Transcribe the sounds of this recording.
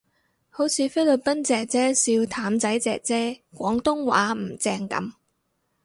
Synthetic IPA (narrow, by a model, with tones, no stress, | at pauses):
ho˨˥wt͡sʰiː˨˧fe˥lɵ˨t̚pɐ˥nt͡sɛː˨k̚t͡sɛː˥siː˧wt̪ʰaː˨˥mt͡sɐ˨˥jt͡sɛ̰ː˨k̚t͡sɛː˥kʷɔː˨˥ŋt̪ʊ˥ŋwa̰ː˨˥m̩˨˩t͡sɛː˧ŋkɐ̰˨˧˥m